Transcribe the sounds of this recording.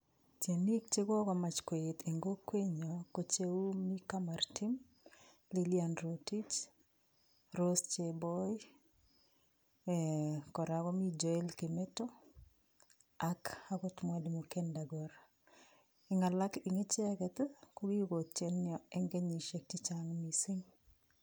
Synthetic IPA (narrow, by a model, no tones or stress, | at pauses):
t͡ʃenikt͡ʃekɔkɔmat͡ʃkweɪtʰeŋɡokweɲɔkot͡ʃewumikamartim | lilianɾotit͡ʃ | ɾost͡ʃebɔj | kɔɾaɡɔmid͡ʒɔɛlkemɛtɔ | akakɔtmwadimokendaɡɔɾ | iŋalakiŋet͡ʃɛkɛt̪ɛkoɡiɡot͡ʃenjɔɛŋɡeɲiʃek̚tit͡ʃaŋmisiŋ